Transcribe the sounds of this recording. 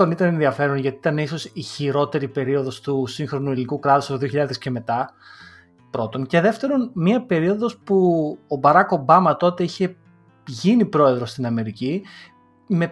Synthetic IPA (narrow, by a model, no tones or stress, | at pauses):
o̞nit̪ɐnenðiɐfe̞ɾo̞nʝɐt̪it̪ɐne̞iso̞siçiɾo̞t̪e̞ɾipe̞ɾio̞ðo̞st̪usiŋxɾo̞nuilinikukɾɐt̪usɐoðio̞çiʎɐðesce̞me̞t̪ɐ | pɾo̞t̪o̞nce̞ðe̞ft̪e̞ɾo̞nmiɐpe̞ɾio̞ðo̞spuobɐɾɐko̞bɐmɐt̪o̞t̪e̞içe̞ | ʝinipɾo̞e̞ðɾo̞st̪inɐme̞ɾici | me̞